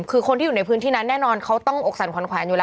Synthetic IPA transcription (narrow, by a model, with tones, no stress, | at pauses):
kʰɯː˧kʰo˧ntʰiː˥˩˨u˨˩n˧pʰɯ˦˥t̪ʰiː˥˩na˦˥nːɛː˥˩nɔː˧nkʰa˦˥wt̪ɔ˥˩ŋʔo˨˩k̚sa˨˩˦nkwa˨˦nkʰwɛː˩˦nweː˧laː˧